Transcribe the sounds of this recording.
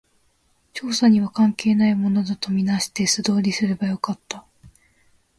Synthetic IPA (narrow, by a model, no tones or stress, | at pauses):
t͡ɕo̞ːsaɲ̟iβ̞akãŋke̞ːnaimo̞no̞d̪at̪o̞mʲinaɕi̥t̪e̞sɨd̪o̞ːɾʲisɨɾebajo̞kat̪ːa